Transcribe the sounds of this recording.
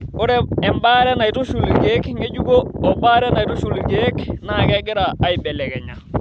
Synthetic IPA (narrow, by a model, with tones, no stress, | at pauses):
ʊ˦ɾɛ˦ɛ˨mbaː˦ɾɛ˦na˨jtu˦ʃu˨lɡe˦kŋɡe˦d͡ʒu˦ɡo˦ɔ˨ba˦ɾɛ˦na˨jtu˦ʃu˨lɡe˦kna˨kɛ˦ɡɪ˦ɾaː˨i˨bɛ˨lɛ˨kɛ˨ɲa˨